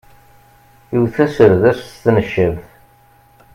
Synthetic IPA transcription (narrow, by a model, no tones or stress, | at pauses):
iwθæsəɾðæsst̪nəʃːəvθ